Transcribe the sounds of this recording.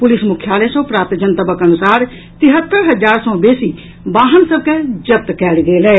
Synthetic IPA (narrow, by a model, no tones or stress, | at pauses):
pʊlɪsmʊkʰːjaːlesõːpɾaːp̚t̪d͡ʒənt̪əbəkənʊsaːɾ | t̪ɪɦət̪ːəɾɦəd͡ʒaːɾsɔ̃ːbeːsi | baːɦənsəb̚ked͡ʒəp̚t̪kɛːlɡeːlɛː